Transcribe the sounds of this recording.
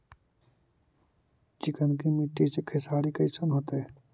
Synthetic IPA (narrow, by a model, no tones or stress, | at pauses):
t͡ʃɪkənkimiʈːisekʰesaːɾikɐsənɦoːt̪e